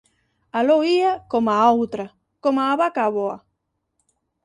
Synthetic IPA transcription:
alowiakomaawt̪ɾa | komaːβakaβoa

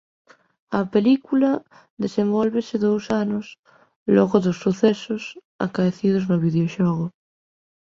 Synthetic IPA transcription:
apelikula | ðesembolβeseðowsanos | loɣoðosːuθesos | a̰kaeθið̞oznoβiðeoʃoɣo

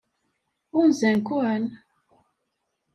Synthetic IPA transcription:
unzɛŋkuan

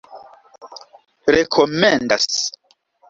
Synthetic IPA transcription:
ɾekʰomenda̰s

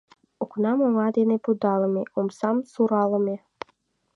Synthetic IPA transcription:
oknɑmoŋɑd̪enepud̪ɑlˠɤ̆meʔomsɑmsuɾɑlˠɤ̆me

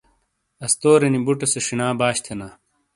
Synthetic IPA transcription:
ɐst̪oːɾenibuʈɐseʂinaːbaːɕt̪ʰenaː

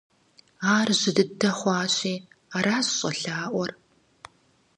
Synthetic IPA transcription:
aːrʑɪdɨdɐχʷɑːɕiːaːɾaːzɕʼɬaːʔʷɔr

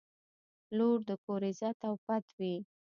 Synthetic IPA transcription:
loɽd̪əkoɾɪzat̪awpat̪wi

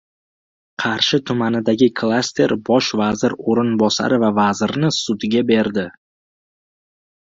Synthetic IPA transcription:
qʰɑɾʃɪt̪ʰʊmanɪd̪aɡʲɪkʰlˠast̪ʰe̞ɾbɒʃvazɪɾoɾɪnbɒsa̰ɾɪvavazɪɾnɪsʊd̪ɡʲabe̞ɾd̪ɪ

